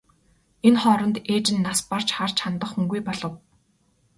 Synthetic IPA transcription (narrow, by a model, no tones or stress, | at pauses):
enχɔːɾɞ̆nt̪eːt͡ɕɪ̆nːaspar̥t͡ɕχart͡ɕʰant̪ə̆χuŋɡujpɔɮɞ̆w